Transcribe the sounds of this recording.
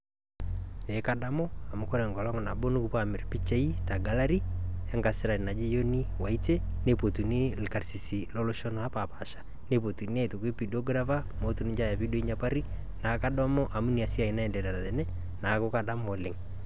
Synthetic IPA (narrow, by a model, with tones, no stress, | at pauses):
e˨˦ka˦da˦mɔ˦a˨mu˦kɔ˦ɾɛ˨ŋɡɔ˨lɔ˦ŋna˨bo˦nu˦ku˨pa˦˨mɪ˨ɾpi˦t͡ʃe˦i˦ta˨ɡa˦la˦ɾi˦ɛ˦ŋɡa˨sɪ˦ɾa˨na˨d͡ʒe˦jo˦ni˦wa˨i˦te˦ne˦po˨tu˨nɪ˦lka˨rsi˨si˨lɔ˦lo˦ʃɔ˦na˨˦pa˨pa˨ʃḁ | ne˦˨po˨tu˨ne˦˨tu˨ke˦pi˨dɔ˦ɡɾa˦va˦mo˦tu˦nɪ˨˦d͡ʒa˦ja˨pi˦do˦i˦ɲa˦pa˦ɾi˦ | na˨ka˦dɔ˦mɔ˦ʔa˨mu˦ni˨a˨si˦a˨i˨na˦ɛ˨ndɛ˨da˨ɾa˨ðɛ˨nɛ˦ | na˨kʊ˦ka˦da˦mo˨lɪ˨ŋ